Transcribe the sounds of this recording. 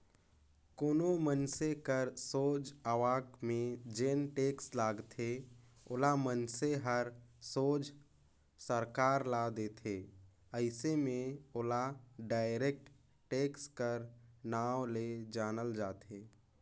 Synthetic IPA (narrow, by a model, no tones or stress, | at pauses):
koːnomənsekəɾsoːd͡ʒaʋaːkmẽd͡ʒeːnʈeːkslaːɡt̪ʰe | ʊlamənseɦəɾsoːd͡ʒ | səɾkaːɾlad̪eːt̪ʰeː | əɪsemẽʊlaɖaːɪɾeːk̚ʈ | ʈeːkskəɾnaːwled͡ʒaːnəld͡ʒaːt̪eː